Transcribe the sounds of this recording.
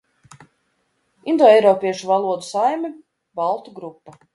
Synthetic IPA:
ind̪ɔːɛjɾɔpʲiɛʃuvalˠuɔd̪usajmʲi | balˠt̪uɡɾupːa

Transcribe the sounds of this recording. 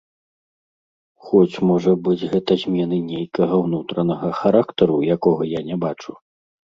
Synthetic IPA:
xɔt͡sʲmɔʐɐbɨd͡zʲɣɛt̪ɐzʲmʲɛnɨnʲejkɐɣɐwnut̪ɾɐnɐɣɐxaɾakt̪ɐɾujakɔɣɐjanʲɛbat͡ʂu

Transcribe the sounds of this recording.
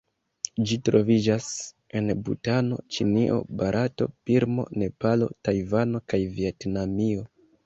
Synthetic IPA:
d͡ʒitɾo̞vid͡ʒas | e̞nbṵtano̞̰t͡ʃiniʔo̞̰baɾʔato̞̰piɾmo̞̰ne̞palo̞̰tajvano̞kajvietnamio̞

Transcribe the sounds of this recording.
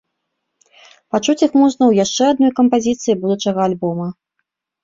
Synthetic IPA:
pat͡ʂut͡sʲixmɔʐnɐwjaʂt͡ʂɛad̪̚nɔjkɐmpazʲit̪sɨjibud̪ut͡ʂɐɣɐalʲbɔmɐ

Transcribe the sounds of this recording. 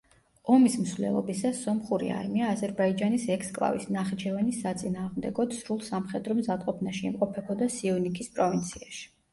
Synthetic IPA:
ɔmismsvlɛ̰lˠɔ̰bisassɔmχuɾḭa̰ɾimiaːzɛɾbaid͡ʒanisɛkʰskʼlˠa̰visnaχit͡ʃʰɛvɛnisat̪sʼinaːʁmd̪ɛɡɔd̪sɾulˠsamχɛd̪ɾɔmzad̪qʼɔpʰnaʃiimqʼɔpʰɛbɔd̪asiɔvnikʰispʼɾɔvint̪sʰiaʃi̥

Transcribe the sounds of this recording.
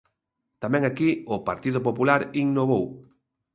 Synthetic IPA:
t̪amɛ̃ŋakiʊpaɾt̪iðʊpopulaɾiŋnoβ̞ow

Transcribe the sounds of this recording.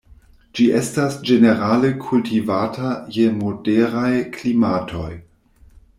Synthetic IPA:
d͡ʒiʔestasd͡ʒeneɾalekʰultivatajemodeɾajklimatʰo̞j

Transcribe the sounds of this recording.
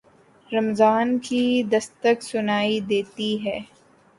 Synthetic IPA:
ɾɐmzaːnkid̪ɐst̪əksʊnaːid̪eːt̪iɦɛː

